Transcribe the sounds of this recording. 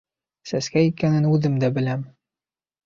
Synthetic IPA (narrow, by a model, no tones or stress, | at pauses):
sæskæikænɘnʉðɘmd̪æbɘ̆læm